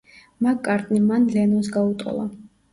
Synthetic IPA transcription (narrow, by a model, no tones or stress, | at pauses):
maɡkʼːaɾt̪ʼnimanlɛnɔnsɡaut̪ʼqʼɔ̰lˠa̰